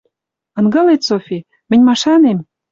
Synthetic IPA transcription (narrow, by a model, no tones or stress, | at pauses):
ɤ̆nɡɤ̆let̪sofʲi | mɘ̆nʲmɑʃɑnem